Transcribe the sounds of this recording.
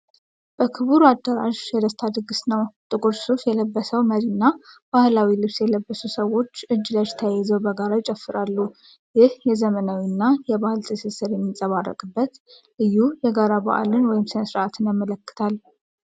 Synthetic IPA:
b̥əkʰɨβuɾuad̪ːəɾa̰ʒjɛd̪əst̪ʰad̪ɨɡɨsnəwt̪ʼɨkʼuɾsufjɛləbːəsəwməɾinːab̥ahlawilɨβsjɛləbːəsusəwo̞t͡ʃːɨd͡ʒːɨlad͡ʒt̪ʰəajɛzəwbəɡaɾajt͡ʃʼɛfːɨɾalːu | jɪhjɛzəmənawinːajɛbahɨlt̪ʰʼɨsɨsɨɾjɛmːisʼəβarːə̰kʼɨbːət̪ | lɨjːujɛɡaɾaba̰ʔa̰lɨnwɔjɪmsɨnsɾat̪ʰɨnjamːələkːɨ̥t̪ʰal

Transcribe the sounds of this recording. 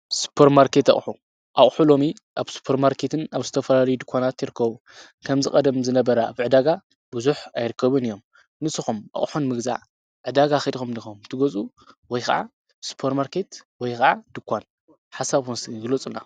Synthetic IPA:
su̥pʰeɾmaɾkʰe̞t̪ɐ̰χʼħu | ʔaχʼħulo̞mi | ʔaβsu̥pʰeɾmaɾkʰe̞t̪ʰɨnaβzɨt̪ʰɐfɐlalɐjud̪ɨkʰʷanat̪jiɾɨkʰːɐβu | kʰɐmzɨkʼɐd̪ɐmzɨnɐβɐɾɐa̰βʕɨd̪aɡa | buzuħajɾɨkʰːɐβɨnɨijːo̞m | nɨsɨxumʔɐ̰χʼħunmɨɡza̰ʕ | ʕɨd̪aɡaxid̪xumnixumt̪ʰɨɡot͡sʼu | wɔjxɐ̰ʕa̰ | su̥pʰeɾmaɾke̞t̪wɔjkɐʕad̪̥ɨkʰʷːan | ħasaβunsɨnɡɨlot͡sʼɨlːa

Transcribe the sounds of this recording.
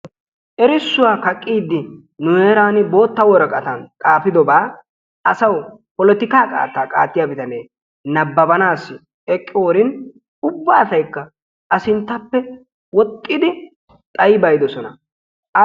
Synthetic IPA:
ʔɛɾɪsːʊwaːkɐkʼːiːd̪ːɪ | nʊeːɾaːnɪbo̞ːt̪ːɐwɔɾɐkʼɐt̪ɐnt̪ʼaːfɪd̪ɔbaː | ɐsɐw | pɔlɔt̪ɪkaːkʼa̰ːt̪ːaːkʼaːt̪ːɪjaːbɪt̪ɐneː | nɐbːɐbɐnaːsːɪ | ɛkʼːɪoːɾɪn | ʊbːaːsɐjkːɐ | ʔɐsɪnt̪ːɐpːɛ | wɔt̪ʼːɪd̪ɪ | t̪ʼɐjɪbɐjd̪ɔsɔnɐ | ɐ

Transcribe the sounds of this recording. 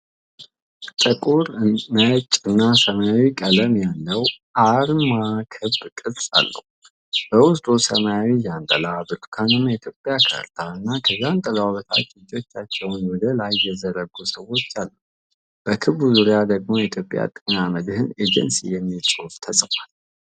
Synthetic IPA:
t̪ʼəkʼuɾnət͡ʃʼɨnːasəmajawikʼələmjalːəwʔaɾmakʰɨbkʼɨlsʼa̰lːə̰h | b̥əwʊst̪ʼusə̰majawijant̪ʼə̰labɨt̪ʼkʰanɨmjɛit̪ʰjo̞pʼjakʰə̰ɾt̪ʰaɨnːakʰəzːant̪ʼəlaaβət̪ʰa̰t̪ɨd͡ʒʼo̞t͡ʃːat͡ʃːɛwnwɔd̪əlajːɛzəɾəɡːusəwːo̞t͡ʃːalːəh | b̥əkʰɨβuzuɾijad̪əɡmo̞jɛit̪ʰjo̞pʼːja̰t̪ʼɨɲaməd̪ɨhɨned͡ʒɛ̰nsijɛmːisʼoft̪ʰəsʼfal

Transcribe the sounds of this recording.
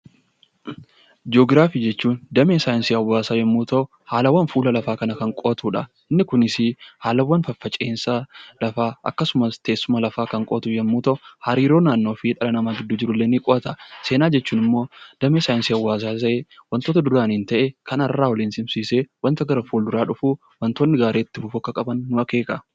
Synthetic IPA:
d͡ʒoːɡɾaːfiːd͡ʒɛt͡ʃːuːnd̪ɐmeːsaːjɪnsɪɐwːaːsaːjɛmːuːt̪ɐ | haːlɐwːɐnfuːlɐlɐfaːkɐnɐkɐŋkʼoːt̪uːᶑɐ | ɪnːɪkʊnɪsɪhaːlɐwːɐnfɐfːɐt͡ʃʼeːnsɐlɐfaːʔɐ̰kːɐsʊmɐst̪eːsːʊmɐlɐfaːkɐŋkʼoːt̪uːjɛmːuːt̪ɐʊhɐɾiːɾo̞ːnaːnːoːfɪᶑ̪ɐlɐnɐmaːɡɪd̪ːuːd͡ʒɪɾʊlːenɪkʼɔʔɐt̪ɐse̞ːnaːd͡ʒɛt͡ʃːuːnɪmːo̞ːd̪̥ɐmeːsaːjɪnsɪɐwːaːs̬aːt̪ɐʔewɐnt̪oːt̪ɐd̪ʊɾaːnɪnt̪ɐʔɛkʰɐnɐrːaːwɔliːnsɪmsiːsewɐnt̪ɐɡɐɾɐfuːld̪ʊɾaːᶑʊfu | wɐnt̪oːnːɪɡaːɾe̞ːt̪ːɪfʊfɔkːɐkʼɐbɐnːʊɐke̞ːkɐ

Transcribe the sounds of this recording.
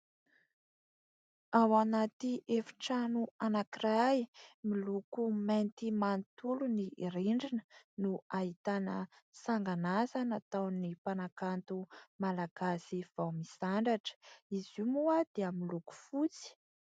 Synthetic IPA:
awanat̪iʔefi̥ʈ͡ʂanuanakirajmilukument̪imanit̪uluniʔiɾeɳɖ͡ʐinə̥nuaɦit̪anə | saŋɡanazanat̪awnipanakant̪umalaɡ̥asiv̥awmisaɳɖ͡ʐaʈ͡ʂə̥izumuad̪̥eəmiluku̥fut͡si̥

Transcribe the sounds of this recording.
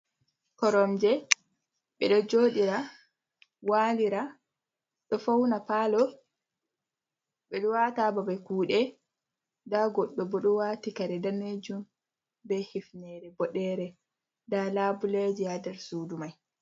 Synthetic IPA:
kɔɾɔmd͡ʒɛ | ɓɛɗɔd͡ʒoːɗiɾa | waliɾa | ɗɔfawnapalɔ | ɓɛɗɔwatababakuːɗɛ | daɡɔɗːɔbɔɗɔwaːtikaɾɛdaned͡ʒum | bɛhifnɛɾɛbɔɗɛɾɛ | dalaːbuled͡ʒijadɛɾsuːdumaj

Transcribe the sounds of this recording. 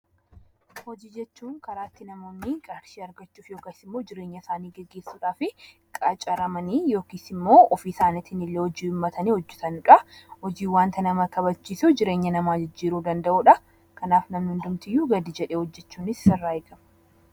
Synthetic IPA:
hɔd͡ʒiːd͡ʒɛt͡ʃːuːŋkɐɾaːt̪ːɪnɐmo̞ːnːɪɡʼɐɾʃiːɐɾɡɐt͡ʃːuːfjo̞ːkaːsɪmːo̞ːd͡ʒɪɾe̞ːɲːɐsaːniːɡɛɡːe̞ːsːuːᶑaːfɪ | kʼɐt͡ʃʼɐɾɐmɐniːjo̞ːkisɪmːo̞ːɔfiːsaːnɪt̪ɪnɪlːeːhɔd͡ʒiːʊmːɐt̪ʰɐniːhɔd͡ʒːɛt̪ɐnʊᶑɐhɔd͡ʒiːwaːnt̪ʰɐnɐmɐkɐβɐt͡ʃːiːsʊd͡ʒɪɾe̞ːɲːɐnɐmaːd͡ʒɪd͡ʒːiːɾuːd̪ɐnd̪ɐʔuːᶑɐ | kɐnaːfnɐmnɪnd̪ʊmt̪ɪjːuːɡɐd̪id͡ʒɛᶑeːhɔd͡ʒːɛt͡ʃːuːnɪsːɪrːaːɪɡɐm

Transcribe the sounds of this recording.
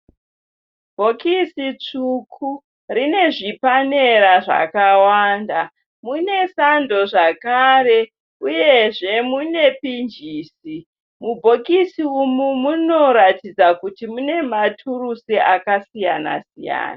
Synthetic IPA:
bʱo̞kisit͡ʂukʰu | rine̞ʐipane̞ɾaʐa̰kawaːnda | mune̞sando̞ʐakaɾe̞ | uje̞ʐe̞mune̞pind͡ʒiːsi | mubʱo̞kisiumumuno̞ɾatid͡zakutimune̞matʰurusiakasijana̰sija̰ːna

